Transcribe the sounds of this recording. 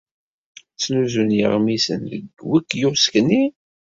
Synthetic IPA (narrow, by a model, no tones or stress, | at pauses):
t͡sːnuzunjə̰ʁmisə̰nðə̰ɡwækːjʊskni